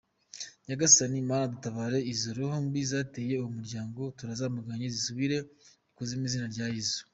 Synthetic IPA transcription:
ɲaɡasanimaːnadutaβaːɾe̞izoɾohombizaːte̞ːje̞uwumuɾɟaːŋɡo̞tuɾazaːmaɡaɲezisuβiɾe̞ | kuzimizinaɾɟaːjizo

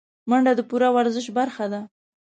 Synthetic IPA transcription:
maɳɖad̪əpuɾawaɾzəʃbaɾxad̪a

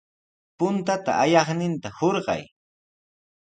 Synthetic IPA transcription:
pʊnt̪at̪a̰ʔːjɑχnɪnt̪ahoɾɢɑ̰j

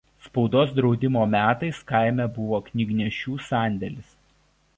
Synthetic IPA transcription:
spɔʊd̪oːsd̪ɾɒʊd̪ʲɪmoːmʲæːt̪ɐɪskɑˑɪmʲɛbʊʋoːknʲɪɡnʲɛʃʲuːsɑˑnʲd̪ʲɛlʲɪs

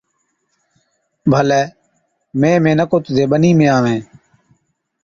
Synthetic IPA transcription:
bʱəlɛː | mẽːmẽːnəkoːt̪ʊzeːɓəniːmẽːaːʋẽː

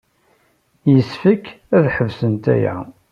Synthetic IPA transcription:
jəsfək | æðħəvsənt̪æ̰jæ̰

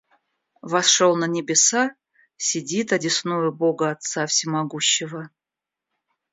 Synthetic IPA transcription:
vɐsʂolˠnənʲɪbʲɪsa | sʲɪdʲit̪ɐdʲɪsnujʊboɡəɐt̪safsʲɪmaɡuɕːɪvə

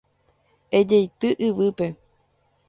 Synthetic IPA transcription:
ed͡ʒejt̪ɨʔɨʋɨpe̞

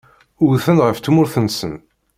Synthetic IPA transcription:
ʊɾθənʁəft̪mʊɾθənsə̰n

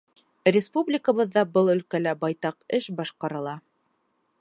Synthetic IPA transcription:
rʲɪspublʲɪkəβɤ̆ðːɑbɤlˠɵ̆lkælæbɑjt̪ɑqɘʃbɑʃqɑɾɤ̆lˠɑ

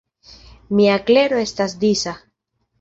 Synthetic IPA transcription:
miakle̞ɾo̞e̞stasd̪isa

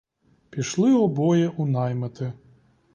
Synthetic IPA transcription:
pʲiʃlˠɪɔbɔjɛʔunɑjmɐt̪ɪ

